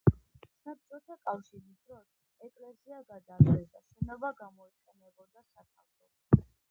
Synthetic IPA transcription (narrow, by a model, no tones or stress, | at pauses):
sap̚t͡ʃ̪ʼɔt̪ʰakʼafʃiɾid̪ɾɔs | ɛkʼlɛsiaɡad̪azɛd̪aʃɛnɔbaɡamɔiqʼɛnɛbɔd̪asakʰalt̪ʰɔ